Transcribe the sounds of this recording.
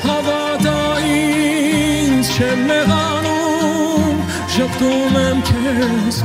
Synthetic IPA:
hɑvɑ | d̪ɑ | i | nt͡ʃʰɛmɛʁɑ | nu | m | ʒəpt̪umɛmt̪ʰɛs

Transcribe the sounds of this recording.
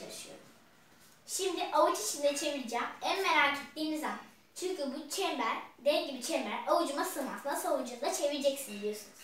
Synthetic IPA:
aɾɯʃɯjo̞̰ɾṵm | ʃimd̪iʔaut͡ʃit͡ʃʰind̪ɛt͡ʃʰe̞viɾid͡ʒæːmænmeɾaːt͡ʃʰy̥t̪d̪iːnizaman | t͡ʃʰyɲcʰybut͡ʃʰɛmbæɾd̪ɛlʲɟibit͡ʃʰɛmbæɾaud͡ʒumasɯma̰nsɯnasowund͡ʒund̪at͡ʃʰe̞viɾd͡ʒɛcsindid̪ijo̞sunuz̥

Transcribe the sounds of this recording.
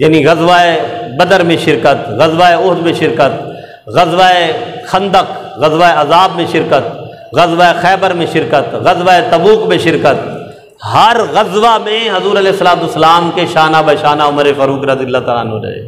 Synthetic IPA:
jaːniɣɐzʋaebɐd̪əɾmẽʃɪɾkət̪ɣɐzʋaeʊɦd̪mẽʃɪɾkət̪̚ | ɣɐzʋaexɐ̃nd̪ək | ɣɐzʋaeɐzaːbmẽʃɪɾkət̪ | ɣɐzʋaexɛːbəɾmẽʃɪɾkət̪ɣɐzʋaet̪ɐbuːkmẽʃɪɾkət̪ | hɐɾɣɐzʋamẽɦɐzuːɾɐlɛːsːəlaːt̪ʊsːəlaːmkeʃaːnabɐʃaːnaʊməɾefɐɾuːkɾɐziəlːat̪aːla̰ːnõ̰ɾɐ̰ḛː

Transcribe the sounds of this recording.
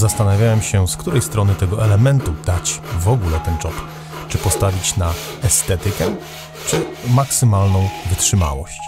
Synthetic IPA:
zast̪anavʲjawɛmɕɛskt̪uɾɛjst̪ɾɔnɘt̪ɛɡɔʔɛlɛmɛnt̪ud̪̥at͡ɕvɔɡulɛt̪ɛnt͡ʂɔp | t͡ʂɘpɔst̪avʲit͡ɕna | ɛst̪ɛt̪ɘkɛ | t͡ʂɘmaksɘmalnɔ̃w̃vɘtʂɘma̰wɔ̰ɕt͡ɕ

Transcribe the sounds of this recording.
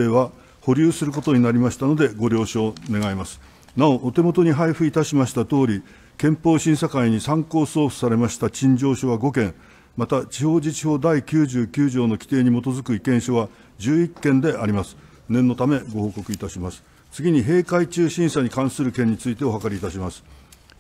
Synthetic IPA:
eːβa | ho̞ɾʲɨːsɨɾɯ̟ko̞t̪o̞ɲ̟inaɾʲimaɕi̥t̪ano̞d̪e̞ɡo̞ɾʲo̞ːɕoːne̞ɡaimasɨ̥ | nao̞ʔːt̪e̞mo̞t̪o̞ɲ̟iɦaiɸɯ̟it̪aɕimaɕi̥t̪at̪o̞ːɾʲi | kẽ̞mpo̞ːɕĩsakaiɲ̟isãŋko̞ːso̞ːɸɯ̥saɾe̞maɕi̥t̪at͡ɕĩɲ̟d͡ʑo̞ːɕoβaɡo̞kẽ̞ŋ | mat̪at͡ɕiho̞ːd͡ʑit͡ɕiho̞ːd̪aikʲɨːʑɨːkʲɨːʑo̞ːno̞kʲi̥t̪e̞ːɲ̟imo̞t̪o̞zɨkɯ̟ikẽ̞ɰ̃ɕoβa | d͡ʑɨːikːẽ̞nd̪e̞ʔaɾʲimasɨ̥ | nẽ̞nːo̞t̪ame̞ɡo̞ho̞ːko̞kɯit̪aɕimasɨ̥ | t͡sɨɡʲiɲ̟iɦe̞ːkait͡ɕɨːɕĩɰ̃saɲ̟ikãɰ̃sɨɾɯ̟kẽ̞ɲ̟ːit͡sɨit̪e̞o̞ɦakaɾʲiːt̪aɕimasɨ̥

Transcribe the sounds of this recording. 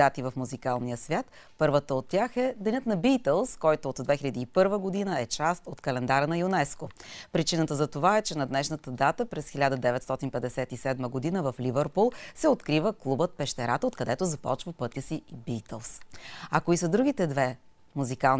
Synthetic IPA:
at̪ivəfmuzikalˠnijəsvʲjat̪ | pɤɾvət̪əot̪ːʲaxɛd̪ɛnʲɤt̪nɐbit̪ɛlˠskɔjt̪oːt̪d̪vɛxiʎʲəd̪iːpɤɾvəɡod̪inəɛt͡ʃast̪ot̪kɐlɛnd̪aɾənɐjunɛskopɾit͡ʃinət̪əzɐt̪ovaɛt͡ʃɛnɐd̪nɛʃnət̪əd̪at̪əpɾɛsxilʲad̪əd̪ɛvɛt̪st̪ɔt̪inpɛd̪ɛsɛt̪isɛd̪məɡod̪inəvɐflivɛɾpulˠsɛot̪kɾivəklˠubət̪̚pɛʃt̪ɛɾat̪əot̪kɐd̪ɛt̪ozɐpɔ̰t͡ʃvəpɤt̪ʲəsiibit̪əlˠsɐkoisəd̪ɾuɡ̟ʲit̪ɛd̪vɛ | muzikalˠn

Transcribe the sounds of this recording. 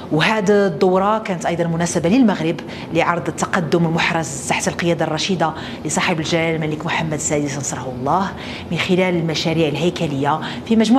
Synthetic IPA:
whæd̪d̪ˤːowɾˤɑkænət̪ʔɑjd̪ˤɑnmʊnæsəbaləlmæɣɾəb | liʕɑɾˤd̪ˤət̪ːɑqɑd̪ːʊməlmʊħɾˤɑzt̪aħt̪əlqəjæd̪ɑrˤɑʃid̪a | lisˤɑħəbəlʒælælmæləkmʊħamːæd̪sæd̪isnsˤɾˤɑħwlˤːɑh | mənxɪlæləlmæʃæɾiʕəlɦæjkæləjːa | fimæʒmu

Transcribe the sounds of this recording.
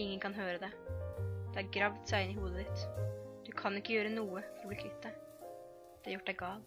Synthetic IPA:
ɪŋːənkʰɑnɦøːɾəd̪ɛ | d̪̥ɛæɾɡɾɑʋt̪sæɪɪnːɪhuːd̪əd̪ɪt̪d̪̥ʉkʰɑnɪkːəjøːɾənuːəfɔɾbɪkʰɪt̪ːə | d̪̥ɛæɾjʊʈːd̪æɡɑːl

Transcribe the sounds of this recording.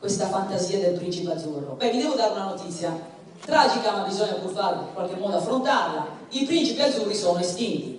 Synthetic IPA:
kwest̪afant̪aziːad̪elpɾint͡ʃipad̪zurːo̰bɛvid̪ɛːvod̪aːɾeunanot̪it̪sːja | t̪ɾaːd͡ʒikamabizɔɲːapufaɾkwalk̟emːɔːd̪oafːɾont̪arla̰ipɾint͡ʃipiad̪zurːisɔnoest̪int̪i

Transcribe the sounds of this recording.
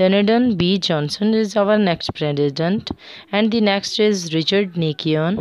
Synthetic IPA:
ɛnəɖə̃nbid͡ʒɔ̃nsə̃nɪzaʋəɾneksʈpɾediɖə̃ɳʈɛ̃ɳɖd̪ineksʈɪzɾit͡ʃəɾɖnikion

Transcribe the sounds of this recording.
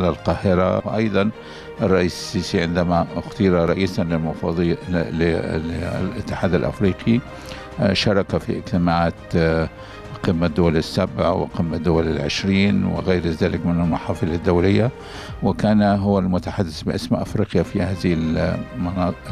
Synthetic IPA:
lalqɑːhɪɾˤawʔɑjd̪ˤɑn | ʔɑrˤːɑʔiːssːiːsiʕɪnd̪amaxt̪iːɾˤɑɾˤɑʔiːsanlɪlmʊfɑðˤlɪ̰ | lɪ̰t̪ːɪ̥ħaːd̪alʔa̰fɾiːqi | ʃɑɾˤɑkafḭʔɪd͡ʒt̪ɪmaʕaːt̪ | qɪmːad̪ːʊwalɪsːabʕawɪ̰qɪmːad̪ːʊwalɪlʕɪ̰ʃɾiːnwɪ̰ɣeːɾzaːlɪkmɪnalmʊħɑːfɨlɪd̪ːawlɪjːa | wɪkaːnɦʊwːalmʊt̪aħad̪ːɪsbɪʔaɪsmaʔafɾiːqjafihaːðɪhɪlmɑnɑː

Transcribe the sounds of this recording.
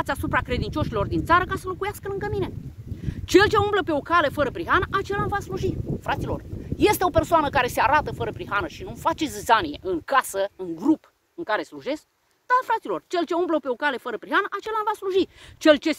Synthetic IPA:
t̪sʲasupɾakɾed̪int͡ʃo̞ʃilo̞rd̪int̪saɾəkasəlokujaskəlɨŋɡəmine̞ | t͡ʃe̞lt͡ʃe̞umbləpe̞o̞kale̞fəɾəpɾiɦanəʔat͡ʃe̞lanvasluʒifɾat̪silo̞̰rje̞st̪eo̞pe̞rsoanəkaɾe̞se̞aɾat̪əfəɾəpɾiɦanəʃinumfat͡ʃe̞zzanijeʔɨŋkasəɨŋɡɾup | ɨŋkaɾe̞sluʒe̞sk | d̪̥alfɾat̪silo̞rt͡ʃe̞lt͡ʃe̞umbləpe̞o̞kale̞fəɾəpɾiɦanəʔat͡ʃe̞lanvasluʒit͡ʃe̞lt͡ʃe̞

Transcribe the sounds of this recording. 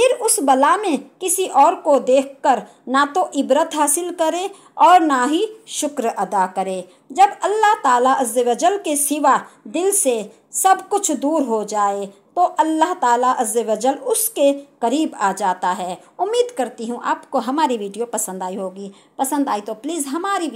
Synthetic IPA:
pʰɪɾʊsbɐlamẽkɪsiʔɔːɾkod̪eːkʰkəɾ | nat̪oʔɪbɾət̪ɦaːsɪlkɐɾe | ɔːɾnaɦiʃʊkɾɐd̪akɐɾeː | d͡ʒɐbɐlːaɦt̪aːlaʔɐzəʋəd͡ʒəlkesɪʋad̪ɪlse | sɐbkʊt͡ʃʰd̪uːɾɦod͡ʒaːe | t̪oʔɐlːaɦt̪aːlaʔɐzːəʋəd͡ʒəlʊskekɐɾiːbaːd͡ʒaːt̪aɦɛː | ʊmːiːd̪kɐɾt̪iɦũʔa̰ːpkoɦɐmaːɾiʋiːɖijopɐsə̃nd̪aːiɦoːɡiː | pɐsə̃nd̪aːit̪opliːzɦɐmaːɾi

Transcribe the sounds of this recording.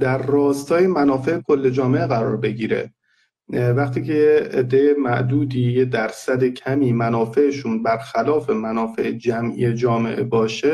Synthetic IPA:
d̪æɾːɒːst̪ʰɒːje̞mænɒːfe̞ʔekʰo̞lːed͡ʒɒːme̞ʔeɣæɾɒːɾbe̞ɟiːɾe̞̰ | væχt̪ʰiːcʰejeed̪ːejemæʔd̪uːd̪iːjed̪æɾsæd̪ecʰæmiːmænɒːfe̞ʔeʃuːnbæɾxælɒːfe̞mænɒːfe̞̰ʔed͡ʒæmʔḭːjed͡ʒɒːme̞̰ʔebɒːʃe

